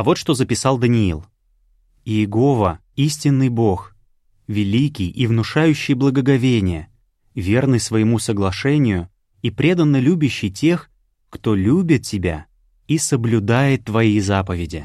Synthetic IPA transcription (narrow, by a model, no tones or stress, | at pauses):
ɐvo̞t̪ʂt̪o̞zəpʲɪsɑlˠd̪ənʲɪḭlˠ | ɪjɪɡo̞və | isʲtʲɪnːɨjbo̞x | vʲɪlʲikʲɪjivnʊʂajʉɕːɪjblˠəɡəɡɐvʲenʲɪjə | vʲe̞rnɨjsvəjɪmusəɡlˠɐʂɛnʲɪjʊ | ipɾʲe̞d̪ənːəlʲubʲɪɕːɪjtʲe̞x | kt̪o̞lʲubʲɪt̪̚tʲɪbʲa̰ | isəblʲʊd̪ajɪt̪ːvɐjejzapəvʲɪdʲɪ